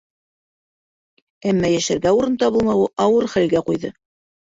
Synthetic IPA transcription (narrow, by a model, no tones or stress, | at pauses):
æmːæjæʃæɾɡæuɾɤnt̪ɑβɤlˠmɑwɤʔɑwɤɾχælɡæqujðɤ